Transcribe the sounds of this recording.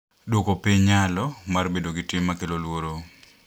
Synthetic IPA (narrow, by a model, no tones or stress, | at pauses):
dwokopiɲalɔmarbedoɡɪtɪmːakelolwoɾo